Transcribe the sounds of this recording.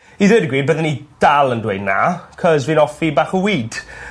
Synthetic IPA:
iðɛːdəɡɾiːd̚bəðənid̥alˠəndwejdna̰kʰɔzviːnɔfibaːχəwiːd̥

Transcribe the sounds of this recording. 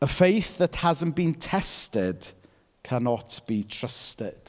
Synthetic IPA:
əfejθðəthazə̃nb̥ĩntʰɛstɪd̥ | kʰanɔtb̥itʰɹ̥əstɪd̥

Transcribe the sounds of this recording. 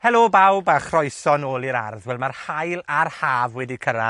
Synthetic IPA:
hɛlˠobawbaχrɔjsɔnoːlˠɪɾa̰rðwɛlˠmarhajlˠarhaːvwɛdikʰəɾa̰

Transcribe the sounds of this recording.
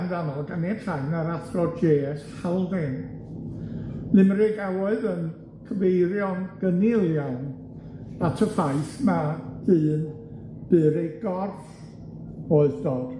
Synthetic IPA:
nðanɔlˠɡanɛtʰajnaɾaθrɔd͡ʒeːshalˠðɪn | nɨmɾeɡawɔɨðən | kʰəvejɾjɔnɡ̥ənɪlˠjɔn | atʰəfajθmadɨːn | b̥ɨːɾeɡɔrf | oɨðd̥oːd̥

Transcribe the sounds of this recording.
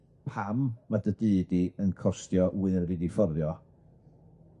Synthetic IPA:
pʰamːadədɨːdiənkʰɔstjɔʔwɨnridifɔrðjɔ

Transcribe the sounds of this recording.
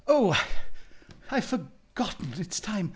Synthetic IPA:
oʊaɪ | aɪfə˞ | ɡ̥ɑʔn̩ɨtstʰãɪ̃m

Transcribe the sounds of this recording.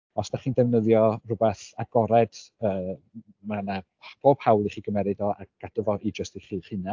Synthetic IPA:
ɔsdaχiːndɛvnəðjɔrʊbɛθaɡɔɾɛd̥əː | mana | b̥oːb̥hawlˠiχiːɡəmɛɾɨdɔakadəvɔʔid͡ʒəstiχiːχɨna

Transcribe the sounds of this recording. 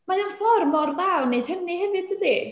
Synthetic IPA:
majanfɔrmɔrðawnejd̥həmnihɛvɨdədi

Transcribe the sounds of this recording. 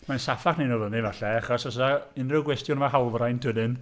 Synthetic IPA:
mansafaχnenɔvənivaɬɛaχɔsɔsaɪnrɪəɡwɛstjɔnmaɦalˠvrajntʰədɨn

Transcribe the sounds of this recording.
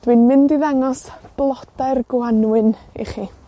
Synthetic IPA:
d̥winmɪndiðaŋɔsb̥lˠɔd̥aɨrɡwanwɨnḭχiː

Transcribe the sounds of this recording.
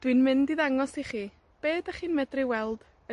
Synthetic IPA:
d̥wɨnmɪndiðaŋɔsiχiː | b̥eːdaχiːnmɛdrɪwɛlˠd̥ | ə

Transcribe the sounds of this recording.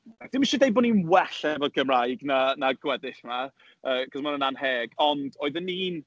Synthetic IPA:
d̥ɪmiʃɔdejbɔninwɛɬɛvɔɡəmrajɡnanaɡwɛdɪɬma | əːkʰɔsmanənanheːɡ̥ɔndoːɨðəniːn

